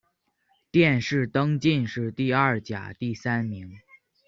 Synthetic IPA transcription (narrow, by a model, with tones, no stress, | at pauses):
t̪jɛ˥˧nʂɻ̩˥˩t̪ɤ˥ŋt͡ɕi˥˧nʂɻ̩˥˧t̪i˥˧a˞˥˩t͡ɕja̰˨˩t̪i˥˩sa˥nmi˧˥ŋ